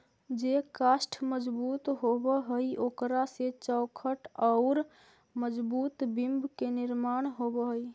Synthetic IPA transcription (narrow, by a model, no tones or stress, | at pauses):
d͡ʒekasʈʰməd͡ʒbut̪ɦobəɦəjokɾaset͡ʃəʊkʰəʈɔʊɾ | məd͡ʒbut̪bimbʱkeniɾmanɦobəɦəj